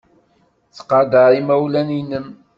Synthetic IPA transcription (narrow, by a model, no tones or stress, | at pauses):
t͡sːə̥qːɑd̪əɾimæwlæninəm